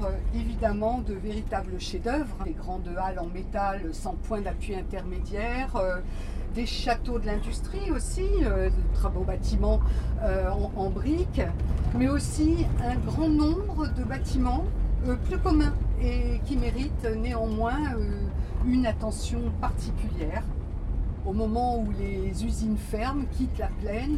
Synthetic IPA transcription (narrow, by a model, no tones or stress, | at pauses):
ʁøevid̪amɑ̃d̪əveʁit̪abləʃed̪œvʁd̪eɡʁɑ̃d̪əalɑ̃met̪alsɑ̃pwɛ̃d̪apɥiɛ̃t̪ɛʁmed̪jɛʁø | d̪eʃat̪od̪əlɛ̃d̪yst̪χiosiød̪ət̪χavobat̪imɑ̃øɑ̃ɑ̃bʁikmɛosiɛ̃ɡʁɑ̃nɔ̃bʁəd̪əbat̪imɑ̃øpløkɔmɛ̃ekʲimeʁit̪neɑ̃mwɛ̃øynat̪ɑ̃sjɔ̃paʁt̪ʰikʲyljɛʁ | omɔmɑ̃ulezyzinfɛʁmkʲit̪laplɛn